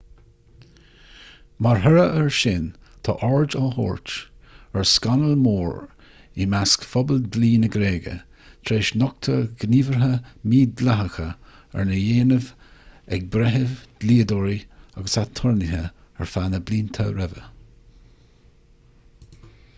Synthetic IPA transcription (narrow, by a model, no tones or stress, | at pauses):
maɹɦɛɹəʔəɹʃɪnt̪ʰɔ̰ːʔɔɹd͡ʒɔlhɔ̰ːɹt͡ʃɛɹskanəlmoːɹ | imaskfɔbəld̪liːnəɡɾeːɡə̰ | t̪ʰɾeːʃnɔk̚t̪ʰəɡniːvəɹɦəmiːd̪laɦəxə | ɛ̰ɹnəjeːnəv | ɛɡ̚bɾɛɦəvd̪̥liːəd̪oːɹiaɡəsat̪ʰɔɹnɪɦə | ɛ̰ɹfanəbliːnt̪ʰəɾɛvə̰